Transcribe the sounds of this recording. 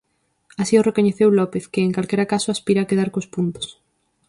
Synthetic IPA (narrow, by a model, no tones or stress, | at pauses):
asiorekoɲeθewlɔpeθkɪːŋkalkɛɾakasʊaspiɾaːkeðaɾkospunt̪o̥s